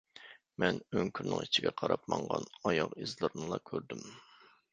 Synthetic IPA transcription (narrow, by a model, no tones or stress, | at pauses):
mɛnøŋkʰʲyɾnɨ̰ŋit͡ʃʰiɡʲɛqʰɑɾɑp̚mɑɴʁɑ̰nɑjɑʁizlˠɨɾnɨlˠɑkʲʰøɾd̪ym